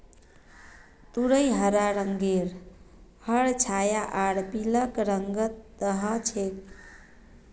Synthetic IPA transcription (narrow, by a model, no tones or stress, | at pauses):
t̪uɾəjɦəɾaɾəŋɡeɾhəɽt͡ʃʰajaʔaɽpiləkɾəŋɡət̪ːəɦə̃t͡ʃʰek